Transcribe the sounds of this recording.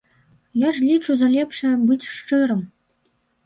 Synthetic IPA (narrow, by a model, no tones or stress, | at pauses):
jɑʐlʲit͡ɕuzɑlʲepʂɘ̆bɨtʲʂʈ͡ʂɨɾɤ̆m